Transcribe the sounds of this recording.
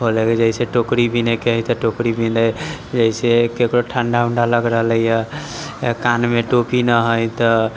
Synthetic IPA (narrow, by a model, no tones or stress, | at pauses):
ɦoleked͡ʒəɪseʈokɾibinekeɦəjt̪ɔʈokɾibined͡ʒəisekekɾoʈʰanɖaunɖaləɡɾəɦələjə | kanmeʈopinəɦəjt̪ɔ